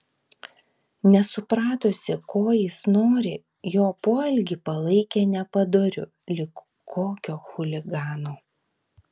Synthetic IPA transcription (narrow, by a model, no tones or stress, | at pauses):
nʲɛsʊpɾɑːt̪osʲɪkoːjɪsnoːɾʲɪ | joːpoːɛlʲɡʲipɐlˠɐɪkʲeːnʲɛpɐd̪oɾʲʊ̰ | lʲɪk | kʰːoːkʲoːxʊlʲɪɡɑːnoː